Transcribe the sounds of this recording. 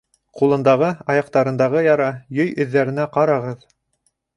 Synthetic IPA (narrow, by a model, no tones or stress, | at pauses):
qulˠɤ̆nd̪ɑʁɤɑjɑqt̪ɑɾɤ̆nd̪ɑʁɤjɑɾɑjɵjɵ̆ðːæɾɘ̆næqɑɾɑʁɤð